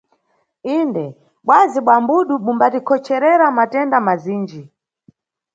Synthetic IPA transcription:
indɛ | ɓwaziɓwambuɗumumbatikʰɔt͡ʃʰɛɾɛɾamatɛndamaziːnd͡ʒi

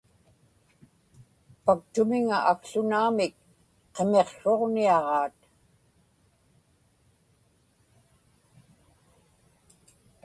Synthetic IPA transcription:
pak̚t̪ʊmɪŋa̰ʔakɬʊnaːmɪk | qeme̞qso̞ʁniɑʁɑːt̪

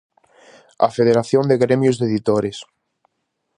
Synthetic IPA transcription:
ɐ̰feðeɾaθjond̪eɣɾemjʊzðeðit̪oɾɪs

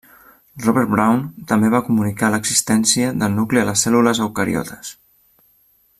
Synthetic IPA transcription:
rɔβɛɾbɾawnt̪əmbeβakumunikaləɡz̥ist̪ɛnsiəðəlˠnukliələsɛluləzəwkəɾḭɔ̰t̪ʰə̥s

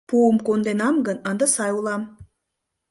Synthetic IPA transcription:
puəmkond̪enɑmɡənə̆nd̪ɑsɑjulˠɑm

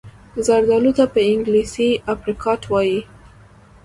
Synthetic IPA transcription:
zaɾd̪ɑlut̪apəɪŋɡlisiafɾikʰɑʈwɑji

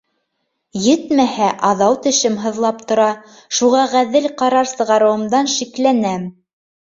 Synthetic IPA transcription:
jɘt̪mæhæʔɑðɑwt̪ɘ̆ʃɘmɦɤ̆ðlˠɑp̚t̪ŏɾɑ | ʃuʁɑʁæðɘlqɑɾɑɾsɤ̆ʁɑɾɤ̆wɤ̆md̪ɑnʃiklænæm

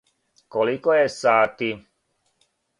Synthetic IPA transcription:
kɔlikɔjɛsaːt̪i

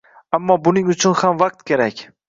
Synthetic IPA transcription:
amːɒbʊnɪŋʊt͡ʃʰʊnhamvaq̚t̪̚kʲʰeɾakʲ

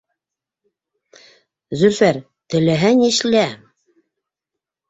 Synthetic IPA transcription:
zɵɾfæɾ | t̪ɘ̆læɦæniʃlæ

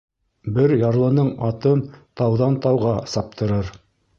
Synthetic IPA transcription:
bɘɾjɑɾlˠɤ̆nɤɴɑt̪ɤnt̪ɑwðɑnt̪ɑwʁɑsɑp̚t̪ʰɤ̆ɾɤɾ

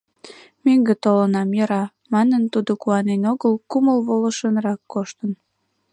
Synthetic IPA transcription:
meŋɡet̪olənɑmjəɾɑ | mɑnənt̪ud̪okuɑnenoɣəlkuməlβoləʃənrɑkːoʃt̪ən

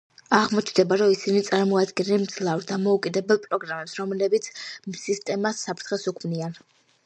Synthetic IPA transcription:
aʁmɔt͡ʃʰd̪ɛbaɾɔisinit̪sʼaɾmɔad̪ɡɛnɛlimd̪zlˠavɾd̪amɔukʼid̪ɛbɛlˠpʼɾɔɡɾamɛpsɾɔmlɛbit̪sʰmsist̪ʼɛmasːapʰɾt̪ʰχɛsukʰmnian

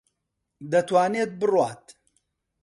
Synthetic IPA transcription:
d̪ɐt̪waːneːt̪̚bɨrwaːt̪

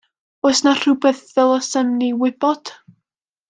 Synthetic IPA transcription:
osnar̥ubɛθvɛlˠɔsəmniwɪb̥ɔd̥

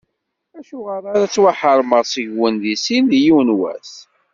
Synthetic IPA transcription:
æʃuʁəɾˤaɾæt͡sːwaħəɾˤməʁsəʝwənðisinðjiwnwæ̰s

